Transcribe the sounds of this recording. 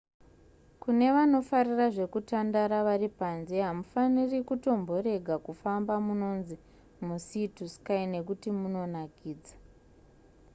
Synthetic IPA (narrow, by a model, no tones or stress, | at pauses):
kune̞ʋano̞fariraʐe̞kutandaɾaʋaripanzeɦamufanirikuto̞mbo̞ɾe̞ɡʱakufambamuno̞nzi | musituskaine̞k̬utimuno̞nakiːd͡za